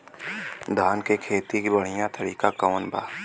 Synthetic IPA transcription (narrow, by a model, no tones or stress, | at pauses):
d̪ʱaːnkekʰeːt̪ikbəɽ̤ɪjãt̪əɾiːkakəːnbʱa̰ː